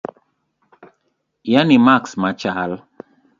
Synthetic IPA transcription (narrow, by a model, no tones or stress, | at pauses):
janimaksmat͡ʃal